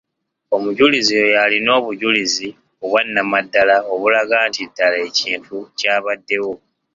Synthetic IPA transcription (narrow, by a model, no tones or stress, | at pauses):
o̞muɟulizijojalino̞ːβuɟulizi | oβwanːamadːalao̞βulaɡaːntidːalae̞ciːntucaːβadːe̞wo̞